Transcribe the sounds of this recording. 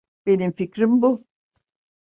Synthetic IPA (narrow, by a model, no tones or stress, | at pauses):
b̥e̞nimficɾimbu